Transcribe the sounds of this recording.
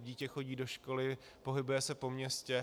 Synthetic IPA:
ɟiːcɛxo̞ɟiːdo̞ʃko̞lɪ | po̞ɦɪbujɛsɛpo̞mɲɛscɛ

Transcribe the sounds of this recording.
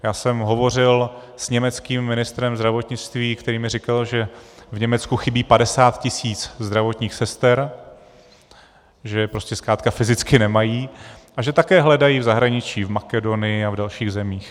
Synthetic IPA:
jaːsɛmɦo̞vo̞rɪl | sɲɛmɛt͡skiːmːɪnɪst̪ɾɛmzd̪ɾavo̞t̪ɲɪt͡st̪viːkt̪ɛɾiːmɪrɪkalʒɛvɲɛmɛt͡skuxɪbiːpadɛsaːt̪cɪsiːt͡szd̪ɾavo̞t̪ɲiːxsɛst̪ɛɾ | ʒɛpɾo̞scɛskɾaːt̪kafɪzɪt͡skɪnɛmajiːʔaʒɛt̪akɛːɦlɛdajiːvzaɦɾaɲɪt͡ʃiːvmakɛdo̞nɪjɪavdalʃiːɣzɛmiːx

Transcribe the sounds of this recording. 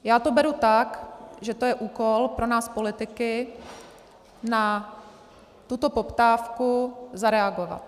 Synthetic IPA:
jaːt̪obɛɾut̪akʒɛt̪o̞jɛʔuːkolpɾo̞naːspo̞lɪt̪ɪkɪ | na | t̪ut̪o̞popt̪aːfkuzaɾɛaɡo̞va̰t̪

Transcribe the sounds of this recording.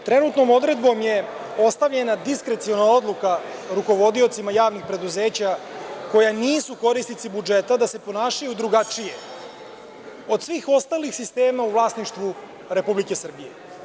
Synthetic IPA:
t̪ɾenut̪no̞mo̞d̪ɾe̞d̪bo̞mje̞ | o̞st̪aʋʎe̞nad̪iskɾe̞t̪sio̞nao̞d̪lˠukaɾuko̞ʋo̞d̪io̞t̪simajaːʋnixpɾe̞d̪uze̞ːt͡ɕako̞janiːsuko̞ɾisnit̪sibud͡ʒe̞t̪ad̪ase̞po̞naːʃajud̪ɾuɡat͡ʂije̞ | o̞d̪sʋiːxo̞st̪aːlixsist̪e̞ːmauvlˠaːsniʃt̪ʋu | ɾe̞publike̞sr̩bije

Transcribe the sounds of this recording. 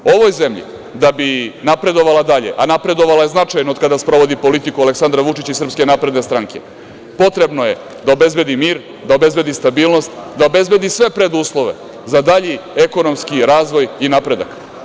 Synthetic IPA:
o̞ʋo̞jze̞mʎḭ | d̪abinapɾe̞d̪o̞ʋalad̪aʎe̞̰ʔanapɾe̞d̪o̞ʋalajeznat͡ʂajnood̪̚kad̪aspɾo̞ʋo̞d̪ipo̞lit̪ikuale̞ksand̪ɾaʋut͡ʂit͡ɕisr̩pske̞naːpɾe̞d̪ne̞st̪ɾaŋke̞̰ | po̞t̪ɾe̞bnoje̞ | d̪ao̞be̞zbe̞d̪imiːɾ | d̪ao̞be̞zbed̪ist̪abiːlˠno̞st̪d̪ao̞be̞zbe̞d̪isʋe̞pɾed̪uːslˠo̞ʋe̞ | zad̪aʎieko̞no̞mskiɾaːzʋo̞jinapɾe̞d̪a̰k

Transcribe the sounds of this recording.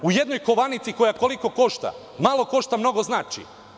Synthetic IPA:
ujed̪no̞jko̞ʋanit̪siko̞jako̞liko̞ko̞ʃt̪a̰ | malˠo̞ko̞ʃt̪amno̞ɡo̞znaːt͡ʃḭ

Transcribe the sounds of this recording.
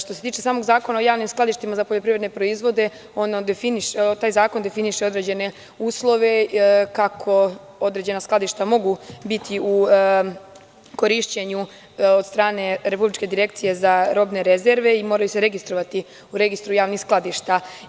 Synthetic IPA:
ʃt̪oset̪iːt͡ʃesaːmo̞ɡzaːko̞naojaːʋnimsklˠad̪iʃt̪imazapoʎopɾiʋɾed̪nepɾo̞izʋo̞d̪e̞ | o̞nad̪efiniʃt̪aːjzaːko̞nd̪e̞finiʃeo̞d̪ɾe̞d͡ʑe̞ne̞ | uːslˠo̞ʋe̞kakʰo̞ | o̞d̪ɾe̞d͡ʑe̞nasklad̪iʃt̪amo̞ɡubit̪ʰiu | ko̞ɾiʃt͡ɕeɲu | od̪st̪ɾaːne̞ɾe̞publit͡ʃke̞d̪iɾe̞kt̪sije̞zaɾo̞ːbne̞ɾezeɾʋe̞imo̞ːɾajuse̞ɾe̞ɡist̪ɾo̞ʋat̪i | uɾe̞ɡist̪ɾujaːʋnixsklˠad̪iʃt̪a

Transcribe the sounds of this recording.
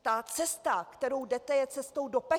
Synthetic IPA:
t̪at͡sɛst̪akt̪ɛɾo̞wdɛt̪ɛjɛt͡sɛst̪owdo̞pɛ

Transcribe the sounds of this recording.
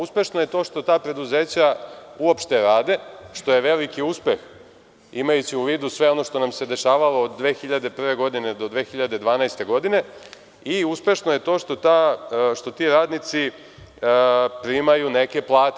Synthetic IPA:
uspe̞ʃnoje̞t̪o̞ːʃt̪o̞t̪aːpɾe̞d̪uzeːt͡ɕauopʃt̪e̞ɾaːd̪e̞ʃt̪o̞je̞ʋe̞likiuspe̞x | imajut͡ɕiuʋiːd̪usʋe̞o̞no̞ʃt̪o̞namse̞d̪e̞ʃaːʋalo̞ːd̪ːʋe̞ːxiʎad̪e̞pr̩ʋe̞ɡo̞d̪ined̪o̞d̪ʋe̞ːxiʎad̪e̞d̪ʋaːnajst̪e̞ɡo̞d̪ine̞ | iuspe̞ʃnoje̞t̪o̞ːʃt̪ot̪aʃt̪o̞t̪iɾaːd̪nit̪si | pɾimajune̞ke̞plˠaːt̪

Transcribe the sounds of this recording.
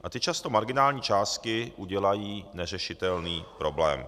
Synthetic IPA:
ʔat̪ɪt͡ʃast̪o̞maɾɡɪnaːlɲiːt͡ʃaːst̪kɪʔuɟɛlajiːnɛr̝ɛʃɪt̪ɛlniːpɾo̞blɛ̰ːm

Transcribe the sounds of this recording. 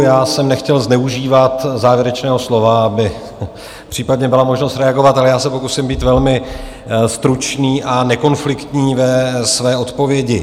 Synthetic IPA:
jaːsɛmnɛxcɛlznɛuʒiːvat̪zaːvjɛɾɛt͡ʃnɛːɦo̞slo̞vaabɪ | pr̥iːpad̪ɲɛbɪlamo̞ʒno̞st̪ɾɛaɡo̞vat̪alɛjaːsɛpo̞kusɪmbiːt̪vɛlmɪ | st̪ɾut͡ʃniːʔanɛko̞nflɪkt̪ɲiːvɛsvɛːo̞t̪po̞vjɛɟɪ

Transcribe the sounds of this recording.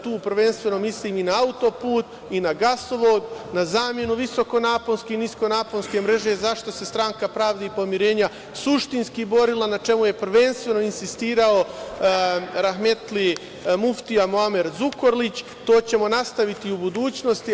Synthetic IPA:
t̪uːpɾʋe̞nst̪ʋe̞no̞misliːminaaut̪o̞puːt̪ | inaɡasoʋo̞ːd̪nazaːmje̞nuʋiso̞ko̞naːpolskeinisko̞naːponske̞mɾe̞ʒe̞zaʃt̪o̞se̞st̪ɾaːŋkapɾaːʋd̪eipo̞miɾe̞ːɲa | suʃt̪inskibo̞ɾilˠanat͡ʃe̞muje̞prʋe̞nst̪ʋe̞no̞insist̪iːɾao̞ | ɾaxme̞t̪li | muft̪iamoame̞ɾzuko̞ɾlit͡ɕ | t̪o̞ːt͡ɕe̞mo̞nast̪aʋit̪iubud̪uːt͡ɕno̞st̪i

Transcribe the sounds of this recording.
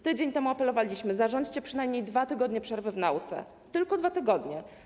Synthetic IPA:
t̪ɘd͡ʑeɲt̪ɛmuapɛlɔvalʲiɕmɘzaʐɔɲd͡ʑt͡ɕɛpʂɘnajmɲejd̪vat̪ɘɡɔd̪ɲɛpʂɛɾvɘvnawt̪sɛ̰ | t̪ɘlkɔd̪vat̪ɘɡɔd̪ɲɛ

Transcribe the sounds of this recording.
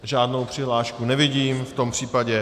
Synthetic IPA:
ʒaːdno̞wpr̝̥ɪɦlaːʃkunɛvɪɟiːmft̪o̞mpr̝̥iːpaɟɛ

